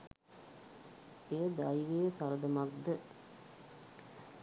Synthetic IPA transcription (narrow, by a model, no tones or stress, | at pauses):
ejəd̪ajʋeːsaɾəd̪əmak̚d̪ə